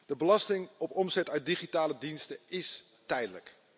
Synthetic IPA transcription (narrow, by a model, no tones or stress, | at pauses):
d̥əbəlɑstɪŋɔpɔmzɛtœɥt̚diχitaːlədinstəɪs | tɛjdələ̰k